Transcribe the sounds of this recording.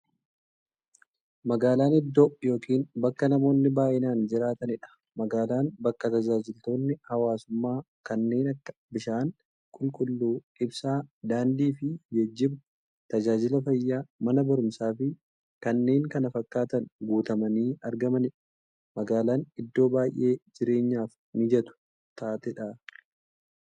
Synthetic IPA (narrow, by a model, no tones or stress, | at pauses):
mɐɡaːlaːnɪd̪ːoːʔjo̞ːkiːnbɐkːɐnɐmo̞ːnːɪbaːʔɪnaːnd͡ʒɪɾaːt̪ɐnɪᶑɐ̥ | mɐɡaːlaːnbɐkːɐt̪ɐd͡ʒaːd͡ʒɪlt̪o̞ːnːɪhɐwaːsʊmːaː | kɐnːe̞ːnɐkːɐ̥bɪʃaːn | kʼʊlkʼʊlːuːᶑɪbsaːd̪aːnd̪iːfɪjɛd͡ʒːɪb | t̪ɐd͡ʒaːd͡ʒɪlɐfɐjːaːmɐnɐbɐɾʊmsaːfɪ | kɐnːe̞ːŋkɐnɐfɐkʼːaːt̪ɐnɡuːt̪ɐmɐniːʔɐɾɡɐmɐnɪᶑɐ̥ | mɐɡaːlaːnɪd̪ːo̞ːbaːjʔe̞ːd͡ʒɪɾe̞ːɲːaːf | nɪd͡ʒɛt̪ʊ̥ | t̪ʰaːt̪ɛᶑaː